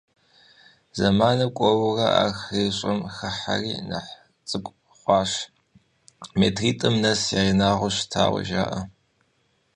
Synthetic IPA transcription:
zɐmaːnɐkʷʼɔwʊrɐʔaːxeːɕʼɐmxɐħariːnɐ̰ħ | t͡sʼɨkʷʼ | χʷɑːʃ | mḛːtʰriːtʼɨmnɐsjaːinaːʁʷʊɕtʰa̰ːwɐ̰ʒa̰ːʔɐ

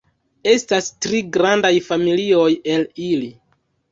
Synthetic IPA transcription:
e̞stastɾiɡɾandajfamilio̞je̞lili

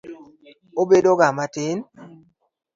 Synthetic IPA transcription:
obedoɡamatɪn

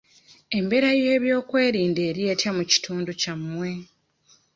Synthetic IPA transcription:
e̞mbe̞ɾaje̞ːβjo̞ːkwe̞ːɾiːnde̞ːɾje̞ːtjamuci̥tʰuːnducamwe̞

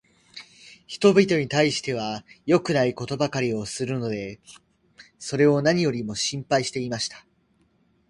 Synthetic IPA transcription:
çi̥t̪o̞bʲit̪o̞ɲ̟it̪aiɕi̥t̪e̞β̞ajo̞kɯ̟naiko̞t̪o̞bakaɾʲio̞sɨɾɯ̟no̞d̪e̞ | so̞ɾe̞o̞naɲ̟ijo̞ɾʲimo̞ɕĩmpaiɕi̥t̪e̞imaɕi̥t̪ḁ

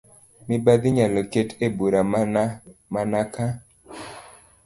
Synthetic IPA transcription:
mɪbad̪ɪɲalɔketebuɾa | manaka

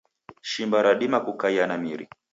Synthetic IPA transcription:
ʃimbaɾaɗimakukaianamiɾḭ

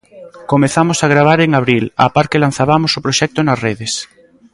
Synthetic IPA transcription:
komeθamosaɣ̞ɾaβ̞aɾeŋaβ̞ɾila̰paɾkelan̟θaβamosopɾoʃɛk̚t̪onasreðes

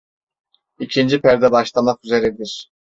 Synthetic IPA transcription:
icʰind͡ʒipæɾd̪ɛbaʃlˠamakyzeɾɛd̪iɾ̥

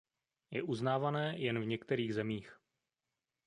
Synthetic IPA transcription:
jɛʔuznaːvanɛːjɛnvɲɛkt̪ɛɾiːɣzɛmiːx

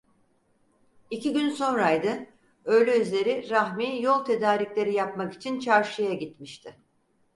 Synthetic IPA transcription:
icʰiɟynso̞nɾajd̪ɯ | ø̞jlʲɛyzlʲe̞ɾiɾaxmijo̞lˠt̪ʰe̞d̪aːɾiclʲe̞ɾijap̚maki̥t͡ʃʰint͡ʃʰaɾʃɯjaɟit̪miʃt̪ʰɪ

